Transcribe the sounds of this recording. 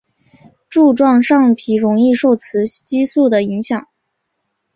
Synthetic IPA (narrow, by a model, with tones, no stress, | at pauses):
ʈ͡ʂu˥˧ʈ͡ʂwɑ˥˧ŋʂɑ˥˩ŋpʰi˧˥ɻʊ˧˥ŋi˥˧ʂo˥˩ʊt͡sʰɹ̩˧˥t͡ɕi˥su˥˩d̪ə˩i˧˥ŋɕjɑ˨˩˦ŋ